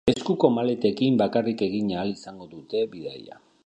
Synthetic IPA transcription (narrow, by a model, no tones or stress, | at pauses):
e̞skuko̞male̞t̪e̞kimbakarike̞ɣiɲaːlisaŋɡo̞ðut̪e̞biða̰ja̰